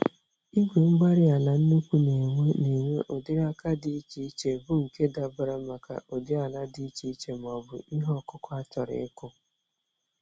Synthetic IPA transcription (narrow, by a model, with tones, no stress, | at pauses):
i˦ɡʷe˨ŋ͡m̩˦ɡ͡ba˦ɾɪ˦a˨na˨n̩˦nu˦kʷu˦ne˨ŋʷe˦ne˨ŋʷe˦ʔo˨dɪ˦ɾa˦ka˦dɪ˨˦i˦t͡ʃi˦i˦t͡ʃe˨bʊ˦ŋ̩˨ke˦da˨bʊ˨ɾa˦ma˨ka̰˨ʔo˨dɪ˦a˨la˦dɪ˦i˦t͡ʃi˦i˦t͡ʃe˨m˨ɔ˨bʊ̰˨i˦ɦɔ˦˨kʊ˦kʷa˦tɔ˨ɾɪ̰˨ɪ˦kʊ˦